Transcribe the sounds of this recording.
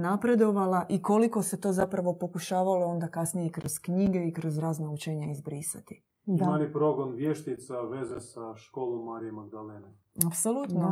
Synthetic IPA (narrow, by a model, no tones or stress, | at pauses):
napɾe̞d̪o̞ʋalaʔiko̞liko̞se̞t̪o̞zapɾaʋo̞po̞kuʃaːʋalo̞o̞nd̪akasnije̞ikɾo̞z̥kɲiɡe̞ikɾo̞zɾaːznaut͡ʃeɲaizbɾisa̰t̪i̥ | dimanipɾo̞ɡonʋjeʃt̪it̪saʋe̞zesaʃkoːlˠomːaːɾijemaɡ̚d̪alene | apsolˠut̪no